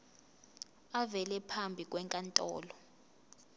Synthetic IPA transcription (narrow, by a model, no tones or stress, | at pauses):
avɛlɛpʰambʱik̬ʼwɛŋkʼantʼɔ̰ːlɔ